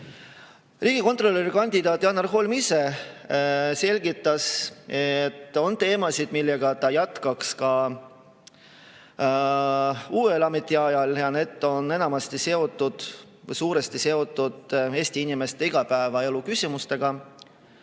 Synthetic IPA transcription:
riːɡ̥iko̞nt̪ro̞lʲːeɾikɑnʲd̪̥id̪̥ɑːt̪ːˑjɑːnɑrɦo̞lmise̞ | se̞lʲɡit̪ːˑɑset̪ːo̞nt̪e̞ːmɑsid̪̥milːeɡ̥ɑt̪ɑjɑt̪kɑkskɑ | uːe̞lɑme̞t̪ːˑiɑjɑljɑne̞ːd̪̥ˑo̞ne̞nɑmɑst̪ise̞o̞t̪ːˑud̪̥ | vɤjsuːɾe̞st̪ise̞o̞t̪ːˑud̪̥e̞ːsʲt̪iinime̞st̪e̞iɡ̥ɑpæevɑe̞lukysʲimust̪e̞ɡ̥ɑ

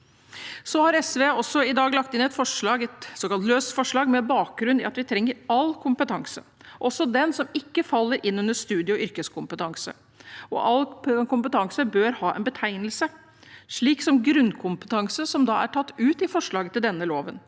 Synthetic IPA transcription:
sɔhɑɾɛsʋeːɔsːɔɪd̪ɑːɡlɑkt̪ɪnɛt̪fɔʂɭɑːɡɛt̪soːkɑlt̪løːsfɔʂɭɑːɡmɛbɑːk̚ɡɾʉnd̪ɪ̰ɑt̪ʋɪt̪ʰɾɛŋːəɾɑlːkʰʊmpət̪ʰɑŋsə̰ʔɔsɔd̪ɛnsɔmɪkːəfɑlːəɾʔɪnːʉnd̪əʂt̪ʉːd̪jəɔʔʏɾkəskʰʊmpət̪ʰɑŋsə̰ | ɔ̰ʔɑlːkʊmpət̪ʰɑŋsəbøːɾhɑːʔɛ̰nbət̪ʰæɪnlsə | ʂɭiːksɔmɡɾʉnːkʰʊmpə̥t̪ʰɑŋsəsɔmd̪ɑ̰ːæ̰ʈʰɑt̪ːʉːt̪ɪfɔʂɭɑːɡət̪ʰɪld̪ɛnːəloːʋən

